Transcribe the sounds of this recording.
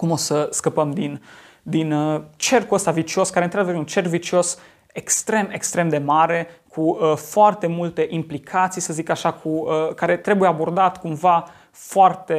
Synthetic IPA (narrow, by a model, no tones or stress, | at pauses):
kumo̞səskəpəmd̪in | d̪inət͡ʃe̞rkuəst̪avit͡ʃio̞skaɾent̪ɾad̪evəɾeunt͡ʃe̞rkvit͡ʃio̞s | ekst̪ɾe̞me̞kst̪ɾe̞md̪e̞maɾe̞kʰuəfoart̪e̞mult̪e̞ʔimplikʰat̪sijsəzikaʃakʰuəkaɾe̞t̪ɾe̞bujeabo̞rd̪at̪kumva | foart̪e̞